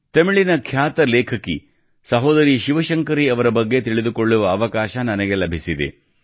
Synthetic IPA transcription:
t̪ɐmiɭinɐkʰjaːt̪ɐleːkʰɐkːi | sɐɦoːd̪ɐɾiʃiʋɐʃɐŋkɐɾiɐʋɐɾɐbɐɡːe̞t̪iɭid̪uko̞ɭːuʋɐːʋɐkaːʃɐnɐnɐɡe̞lɐbʱisid̪ḛ

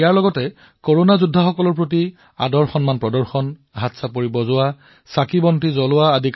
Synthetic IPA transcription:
jaɹlɔɡɔtɛ | koɹonazudʱːaxɔkɔlɔɹpɹot̬i | a̰dɔɹxɔnmanpɹɔdɔɹxɔnɦatsapoɹibɔzʊwa | sakibɔntizɔlʊwaːdʱik

